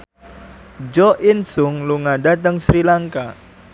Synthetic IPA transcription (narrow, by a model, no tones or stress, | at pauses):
d͡ʒɔʔinsʊŋluŋaɖat̪əŋsɾilaŋka